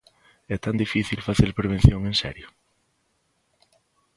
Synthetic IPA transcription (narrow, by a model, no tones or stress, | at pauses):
ɛt̪and̪ifiθilfaθeɾpɾeβ̞en̟θjõŋẽnsɛ̰ɾjo